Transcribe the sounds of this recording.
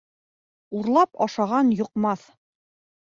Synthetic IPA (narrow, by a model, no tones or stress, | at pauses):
uɾlˠɑpɑʃɑʁɑnjŏqmɑθ